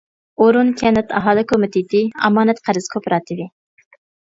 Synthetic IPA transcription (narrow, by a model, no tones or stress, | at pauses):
oɾunkʲʰɛnɛt̪ʰɑ̰ɦɑːlˠɪkʰomɪt̪ʰɪt̪ɪɑ̰mɑːnɛt̪qʰæɾɨz̥kʰopʰɾɑt̪ʰɪvɪ